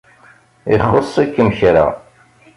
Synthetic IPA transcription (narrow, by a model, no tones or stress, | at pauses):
iχəsˤːakːəmçɾa̰